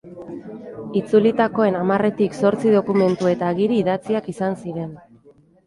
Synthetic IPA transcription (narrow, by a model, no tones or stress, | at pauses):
it͡sulit̪ako̞e̞namare̞t̪ikso̞ɾt͡siðo̞kume̞nt̪ue̞t̪aːɣiɾiːðat͡siakisansiɾe̞n